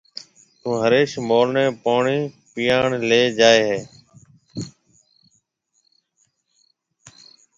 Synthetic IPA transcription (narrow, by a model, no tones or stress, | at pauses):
t̪ũːɦəɾeːʃmoːɾɳẽːpoːɳiːpijaːɳleːd͡ʒaːeːɦeː